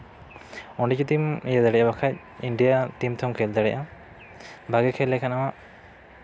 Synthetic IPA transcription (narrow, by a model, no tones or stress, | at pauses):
ɔɳɖicut̪imijad̪aɽɛjabakʰac̚ | iɳɖijat̪imt̪ʰɔmkʰɛld̪aɽɛʔa | bʱaɡɛkʰɛlːɛkanamaʔ